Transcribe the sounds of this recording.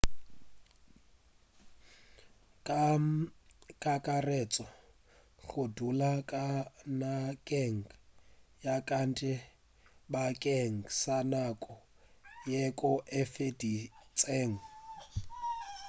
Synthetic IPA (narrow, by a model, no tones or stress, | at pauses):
kʼa | kʼakʼarɛt͡sʼɔ | ɣʊdulakʼanakʼeŋ̩ | jakʼantʼɪ | bakʼeŋ̩sanakʼɔ | jekʼʊʔɛfedit͡sʼeːŋ̩